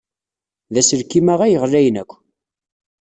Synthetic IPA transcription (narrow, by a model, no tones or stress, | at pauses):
ðæsəɾkːimæʁæjəʁræjnækʷː